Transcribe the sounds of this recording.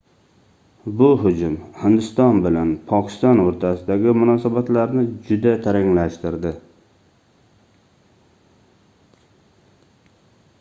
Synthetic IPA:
bʊɦʊd͡ʒʊmhɪnd̪ɪst̪ɒnbɪlanpʰɒkʲʰɪ̥st̪ɒnoɾt̪ʰasɪd̪aɡʲɪmʊnɒsabat̪laɾnɪd͡ʒʊd̪at̪ʰaɾɪŋlaʃt̪ɪɾd̪ɪ

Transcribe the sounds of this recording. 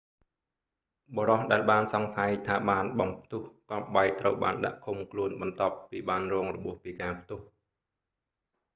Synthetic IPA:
ɓoːɾɑhɗaɛlɓaːnsɑŋsajt̪ʰaːɓaːnɓɑmp̚ʰt̪ʊəhkrɑp̚ɓajt̪rəwɓa̰ːnɗa̰ʔkʰumkʰluənɓɑnt̪ŏəpːiːɓaːnrɔːŋrɔɓuəhpiːkaːpʰt̪ʊ̆əh

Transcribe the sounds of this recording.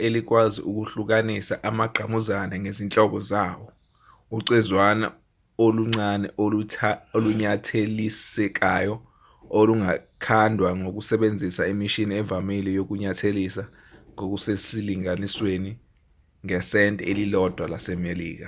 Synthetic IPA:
elik̬waziʔuk̬uɬuk̬anisaʔamaɡ͡ǃʱamuzanaŋezint͡ɬʼɔk̬ɔzaːwɔ | uǀizwana̰ | oluŋ͡ǀanɛ̰oluoluɲatʰelisɛk̬ajɔ | oluŋakʰandʱwaŋok̬usɛɓend͡zʱisaimiʃiniɛvamilijok̬uɲatʰelisa | ŋok̬usesiliŋanisweni | ŋɛsɛntʼɛelilɔd̥ʱwalasɛmelḭːk̬a

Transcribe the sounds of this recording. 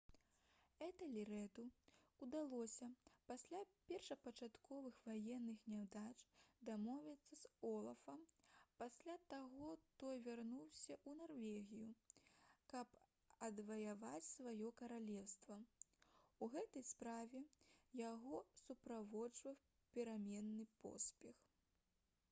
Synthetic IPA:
ɛt̪ɐlʲiɾɛt̪uud̪alˠɔsʲɐpasʲlʲapʲɛrʂɐpɐt͡ʂat̪kɔvɨxvajɛnːɨxnʲɛwd̪at͡ʂd̪amɔvʲit̪sːɐzɔlˠɐfɐmpasʲlʲat̪aɣɔt̪ɔjvʲarnuwsʲɐʔunarvʲɛɣʲiju | kɐp | ɐd̪vɐjavat͡sʲsvajɔkɐɾalʲɛwst̪vɐ | uɣɛt̪ɐjspɾavʲɛjaɣɔsupɾavɔt͡ʂvɐw | pʲɛɾamʲɛnːɨpɔ̰sʲpʲɛx

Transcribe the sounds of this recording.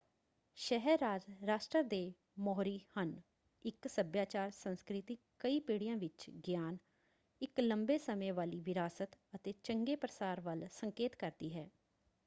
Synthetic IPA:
ʃɛɦɛɾːaːd͡ʒɾaːʃʈɾəd̪eː | mɔːɾiːhən | ɪksəbjaːt͡ʃaːɾsənskɾɪt̪iːkəiːpeːɽɪjãːʋɪt͡ʃɡjaːn | ɪkləmbeːsəmẽːʋaːliːʋɪɾaːsət̪ət̪eːt͡ʃəŋɡeːpɾəsaːɾʋəlsəŋkeːt̪kəɾd̪iːɦɛː

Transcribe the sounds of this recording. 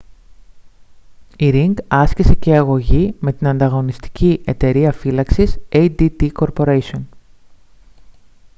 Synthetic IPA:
iɾiŋɡɐscise̞ceɐɣo̞ʝime̞t̪inɐnd̪ɐɣo̞nist̪i̥cʰiʔe̞t̪e̞ɾiɐfilɐksisejd̪id̪iko̞ɾpo̞ɾeso̞n

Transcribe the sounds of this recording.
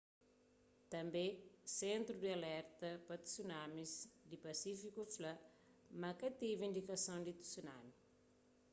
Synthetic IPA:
t̪ɐ̃mbẽsẽnt̪ɾud̪ialɛɾt̪ɐpɐt̪u̥sunãmizd̪ipɐsifikuflɐ | mɐkɐt̪ivĩnd̪ikɐsõd̪it̪u̥sunami

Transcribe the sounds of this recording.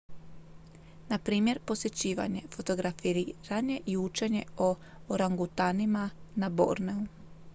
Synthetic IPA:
napɾiːmje̞ɾpo̞sje̞t͡ɕiːʋa̰ɲe̞fo̞t̪o̞ɡɾafiɾiɾaɲe̞ʔiut͡ʃe̞ɲe̞o | oɾaŋɡut̪animanabo̰ɾneu

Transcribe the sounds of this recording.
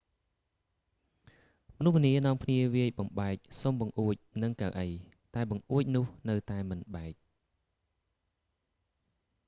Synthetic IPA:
mə̆nuhʋniənɔ̆əmkʰniəʋiəjɓɑmɓaɛk̚somɓɑŋʔuəc̚nɨŋkaəʔəj | t̪aɛɓɑŋʔuəc̚nʊəhnɨwt̪aɛmɨnɓaɛk̚

